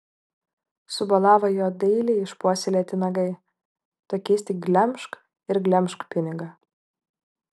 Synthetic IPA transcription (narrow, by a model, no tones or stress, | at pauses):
sʊbɐlˠɑːʋɐjoːd̪ɐɪlʲeɪʃpuɔsʲɪlʲeːt̪ʲɪnɐɡɐɪ | t̪okʲɪːst̪ʲɪɡlʲɛmʲˑʃk | ɪɾɡlʲɛmʲʃkpʲɪnʲɪɡɐ